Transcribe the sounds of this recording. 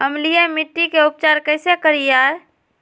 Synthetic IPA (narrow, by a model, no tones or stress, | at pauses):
əmlijɛmiʈːikeup̚t͡ʃaɾkəɪsekəɾijaɾ